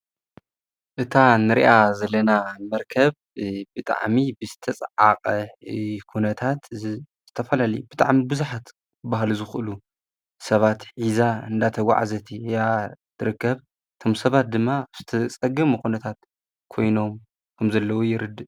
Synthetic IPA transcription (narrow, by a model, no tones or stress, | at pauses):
ʔɨt̪ʰanɨɾḭʔazɐlːɐnamɐɾkʰɐβ | bɨt̪ʼa̰ʕmibɨzɨt̪ʰɐt͡sʼʕa̰qʼɐkʰunɐt̪ʰat̪z̥ɨt̪ʰɐfɐlalɐjub̥ɨt̪ʼa̰ʕmibɨzuħat̪ | baɦlzɨxɨlu | sɐβat̪ħizaɨ̰nd̪at̪ʰɐɡʷa̰ʕa̰zɐt̪ʰijat̪ʰɨɾɨkːɐβ | ɨt̪ʰo̞msɐβat̪̚d̪ɨmːaaβz̥ɨt̪ʰɐt͡sʼɐɡɐmukʰunɐt̪ʰat̪ | kʰo̞jno̞m | kʰɐmzɐlːɐwojɪɾɨd̪ɨ